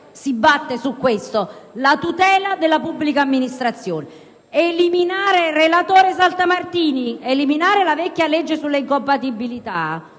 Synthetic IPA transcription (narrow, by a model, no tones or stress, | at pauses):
sibːat̪ːesukːwest̪olat̪ut̪ɛːlad̪elːapubːlikaːmːinist̪ɾat̪sːjoːne | eliminaːɾerelat̪oːɾes̬alt̪amart̪iːnieliminaːɾelavɛkʲːjalɛd͡ʒːesulːeiŋkompat̪ibːilit̪a